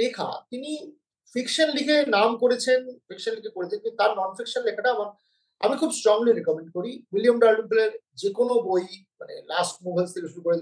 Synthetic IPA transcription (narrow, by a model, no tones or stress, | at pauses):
lekʰa̰t̪ini | fikʃanlikʰenamkoɾet͡ɕʰenfʰikʃanlikʰekoɾet̪ʰeket̪aɾnɔnfikʃonlekʰaʈaamaɾ | a̰mikʰubsʈɾɔŋliɾekɔmeɳɖ̚koɾiwilijomɖaɾɖunpuleɾ | d͡ʑekonobojmanḛlasʈ̚mubʱelst̪ʰekeʃuɾukoɾed͡ʑ